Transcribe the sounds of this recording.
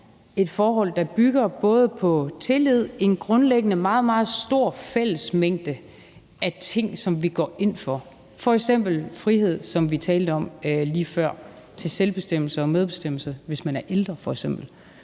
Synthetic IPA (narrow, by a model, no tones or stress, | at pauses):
e̝d̥fɒːɦɒ̽l̰d̥ɑ̈b̥yɡ̥ɐb̥ɔ̽ːð̞ˠəpʰɒ̽t͡sʰe̝lið̞̰ˠe̝nɡ̥ʁɔ̽nleɡ̥ənəmɑ̈ːð̞̩ˠmɑ̈ːð̞̩ˠsd̥o̝ɐ̰fel̰əsmeŋ̰d̥ə | ʔæt͡sʰe̝ŋ̰sɒ̽mʋiɡ̥ɒ̰ːʔe̝n̰fɒ̽ | fɒ̽eɡ̥sem̰b̥l̩fʁiɦe̝ð̞̰ˠsɒ̽mʋit͡sʰɛːld̥əɒ̽mliːfɶɐ̰ | t͡sʰe̝lselb̥e̝sd̥em̰l̩səɒ̽með̞ˠb̥e̝sd̥em̰l̩səʋe̝smænæɐʔeld̥ʁɐfɒ̽eɡ̥sem̰b̥l̩